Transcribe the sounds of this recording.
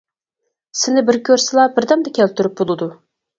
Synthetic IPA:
sɪnɪbɪɾkʲʰøɾsɪlˠɑbɪɾd̪ɛmd̪ɛkʲʰælt̪ʰyɾyp̚bolˠɨd̪u

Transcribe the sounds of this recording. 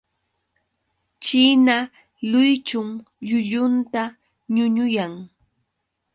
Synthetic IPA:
t͡ʃina | lʊjt͡ʃʊŋ | ʎʊʎʊnt̪a | ɲʊɲʊjaŋ

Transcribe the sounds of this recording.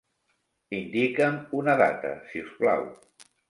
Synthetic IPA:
ind̪ikəmunəða̰t̪ə̰siuskla̰w

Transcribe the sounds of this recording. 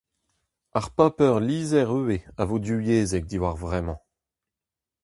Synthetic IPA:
aʁpapœʁliːzɛʁøːeavod̪yjeːzɛk̚d̪iwaʁvʁɛmɑ̃

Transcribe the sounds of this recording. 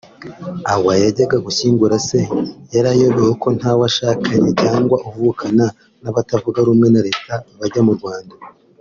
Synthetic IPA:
awajaɟaɡaɡuçiːŋɡuɾase̞jaɾajo̞βeweko̞n̥hawaʃaːkʰaɲecaːŋɡwaʔuvukʰana | naβatavuɡaɾumŋe̞naɾe̞ːtʰaβaɟamuɾɡwaːnda

